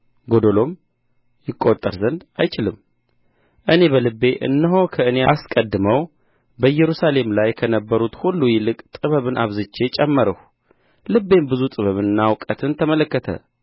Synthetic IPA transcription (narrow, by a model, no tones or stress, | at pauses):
ɡo̞d̪olo̞m | jɪkʼːot̪ʼːəɾzənd̪ajt͡ʃɪlɨm | ʔɨne̞βəlɨbːe̞ʔɨ̰nːɨɦo̞kʰəɨneaskʼəd̪ːɨməw | bəjɛɾusale̞mlajkʰənəbːəɾut̪hulːujɪlɨkʼt̪ʼɨβəβɨnʔaβzɨt͡ʃːe̞t͡ʃʼɛmːəɾəh | lɨbːe̞mbɨzut̪ʼɨβəβɨnnːawkʼət̪ʰɨnt̪ʰəmələkːət̪ʰə̰